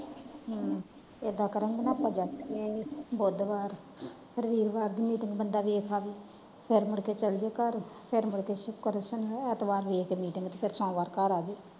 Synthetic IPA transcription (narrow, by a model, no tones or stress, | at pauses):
eːd̪aːkəɾənɡnaːpːãːd͡ʒaːeːboːd̪ʋaːɾ | pʰɪɾʋiːɾʋaːɾd̪iːmiːʈɪŋɡbənd̪aːʋeːkʰaːʋiː | pʰɪɾmʊɽkeːt͡ʃəld͡ʒeːkəɾpʰɪɾmʊɽkeːʃʊkːəɾsəneɛt̪ʋaːɾʋeːkeːmiːʈɪŋɡt̪eːpʰɪɾsɔ̃ːʋaːɾkəɾaːd͡ʒeː